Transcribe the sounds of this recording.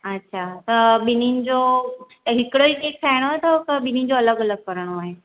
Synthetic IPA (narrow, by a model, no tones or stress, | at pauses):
ɐtːɕʰat̪ɐɓɪninɪ̆d͡ʑo | ɦɪkɪɽoiʈeːk̚sʰaːɦɪɽ̃oaːɦet̪ʰɐk̪ɐɓɪninɪ̆d͡ʑoɐləɡɐləɡ̚kɐɾəɽ̃oaːɦeː